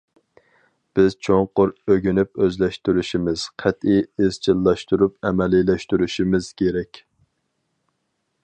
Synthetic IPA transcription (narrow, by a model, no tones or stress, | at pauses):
b̥ɪz̥t͡ʃʰoŋqʊɾøɡʲynypøzlɛʃt̪yɾyʃimɪz̥qʰæt̪iɪz̥t͡ʃʰilˠːɑʃt̪uɾup̚ɛmɛlilɛʃt̪yɾyʃimɪz̥kʲʰeɾɛkʲ